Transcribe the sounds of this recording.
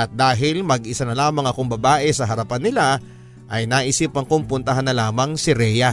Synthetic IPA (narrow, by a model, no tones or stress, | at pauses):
ʔɐt̪̚d̪aːɦɪlmɐɡʔɪsanɐlaːmɐŋɐkoŋbɐbaːʔɛsɐɦɐɾɐpanːɪla | ʔɐjnaʔɪsɪpɐŋkompʊnt̪ɐɦanːɐlaːmɐŋsɪɾɛjɐ